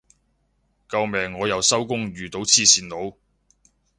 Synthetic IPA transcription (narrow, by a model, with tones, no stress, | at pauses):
kɐ˧wmɛː˨ŋːɔː˨˧jɐ˨˧wsɐ˥wkʊ˥ŋɥyː˨t̪o˨˥wt͡sʰiː˧siː˨˩nlo˨˧w